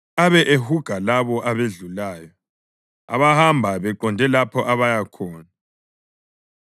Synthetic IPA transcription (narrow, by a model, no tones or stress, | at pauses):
aβɛʔehuɡ̥ʱalaβɔʔaβeɮulaːjɔ | a̰βahambʱaβɛǃɔndʱɛlapʰɔʔaβajakʰɔːna